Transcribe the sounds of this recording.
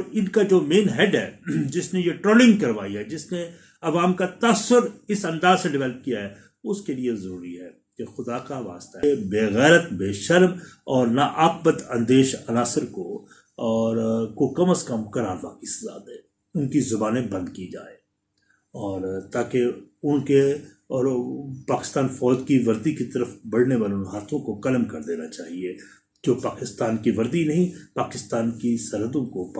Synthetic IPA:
ɾɪnkad͡ʒoːmeːnɦɛːɖɦɛːd͡ʒɪsnejeʈɾoːlɪ̃ŋɡkɐɾʋaːiɦɛd͡ʒɪsne | ɐʋaːmkat̪aːsʊɾɪsɐ̃nd̪aːzseɖɪʋɛːləp̚kijaɦɛ | ʊskeliezɐɾuːɾiɦɛː | kexʊd̪akaʋa̰ːst̪aɦebeːɣɛːɾət̪beːʃɐɾmɔːɾnaʔaːp̚bət̪ɐ̃nd̪eːʃɐnaːsɪɾko | ɔːɾkokɐməskɐmkɐɾaːɾʋa̰ːkisɐza̰ːd̪ɦɛː | ʊnkizɐbaːnẽbɐ̃nd̪kid͡ʒa̰ːe | ɔːɾt̪aːkeʊnke | ɔːɾpaːkɪ̥st̪aːnfɔːd͡ʒkiʋɐɾd̪ikit̪ɐɾəfbɐɽ̤neʋaːlonɦaːt̪ʰõkokɐlmkɐɾd̪eːnat͡ʃaːɦie | d͡ʒoːpaːkɪst̪aːnkiʋɐɾd̪inɐɦĩpaːkɪst̪aːnkisɐɾɦəd̪õko

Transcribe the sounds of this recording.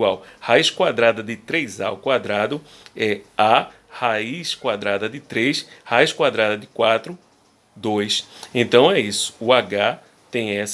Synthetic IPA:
wawhaiskwad̪ɾad̪ɐd̪ɪt̪ɾejza̰wkwad̪ɾad̪ʊɛa | haiskwad̪ɾad̪ɐd̪ɪt̪ɾejshaiskwad̪ɾad̪ɐd̪ɪkwat̪ɾʊ | d̪ojsẽnt̪ɐ̃w̃ɛisʊ̥ːaɡa | t̪ẽj̃ɛs

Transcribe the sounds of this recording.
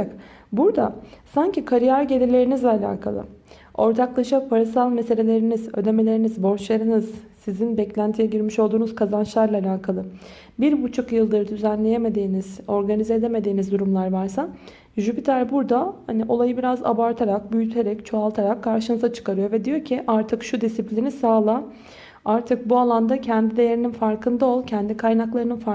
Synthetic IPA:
k | buɾd̪asaɲcikʰaɾijaɾɟe̞lʲilʲe̞ɾinizlʲɛalʲa̰ːkʰa̰lˠɯ̰ | o̞ɾt̪ʰaklˠaʃapʰaɾasalˠmese̞lʲe̞lʲe̞ɾinizø̞̰d̪e̞me̞lʲe̞ɾinizbo̞ɾt͡ʃlˠaɾɯnɯz̥sizinbɛclʲænt̪ʰijɛɟiɾmiʃolˠd̪uːnuz̥kʰazant͡ʃlˠaɾlˠaːlʲaːkʰalˠɯ | biɾbut͡ʃʰukjɯlˠd̪ɯɾɯd̪yzænlʲe̞je̞me̞d̪iːniz̥o̞ɾɡanizeːd̪e̞me̞d̪iːnizd̪uɾumlˠaɾvaɾsa | ʒubit̪ʰæɾbuɾd̪ahaniʔo̞lˠajɯbiɾaza̰baɾt̪ʰaɾak̚byjyt̪ʰe̞ɾɛct͡ʃʰo̞alˠt̪ʰaɾakʰːaɾʃɯnɯzat͡ʃʰɯ̥kaɾɯjo̞ɾvɛd̪ijo̞ɾcʰiʔaɾt̪ʰɯkʃud̪isiplʲinisaːlˠa | aɾt̪ʰɯk̚bualˠand̪acʰɛnd̪id̪e̞je̞ɾininfaɾkʰɯnd̪ao̞lˠcʰɛnd̪ikʰajnaklˠaɾɯnɯnfa

